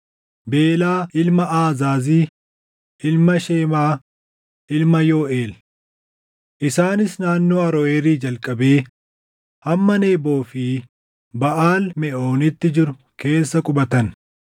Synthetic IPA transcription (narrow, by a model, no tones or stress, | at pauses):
be̞ːlaːʔɪlmɐʔaːzaːziː | ʔɪlmɐʃeːmaː | ʔɪlmɐjo̞ːʔe̞ːl | ʔɪsaːnɪsnaːnːoːɐɾɔeːɾiːd͡ʒɐlkʼːɐbe̞ː | hɐmːɐneːbo̞ːfɪː | bɐʔaːlmɛʔo̞ːnɪt̪ːɪd͡ʒɪɾʊ | ke̞ːsːɐkʼʊbɐt̪ɐn